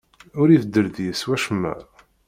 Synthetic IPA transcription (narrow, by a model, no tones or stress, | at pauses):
ʊɾivəd̪ːəɾðjəswæʃəmːæ̰ˤ